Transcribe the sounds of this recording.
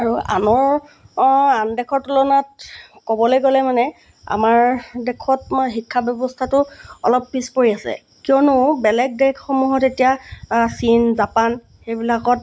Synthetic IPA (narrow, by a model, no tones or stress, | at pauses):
aɹua̰nɔɹ | andɛkʰɔtulɔnat̚kɔbɔlojɡolɛmanɛ | a̰maɹdɛkʰɔt̚xikʰːabɔbɔstʰatʊɔ̰lɔpːispoɹiasɛ̰ | kiɔnʊbɛlɛɡ̚dɛkxɔmuɦɔtetijasinzapan | xejbilakɔt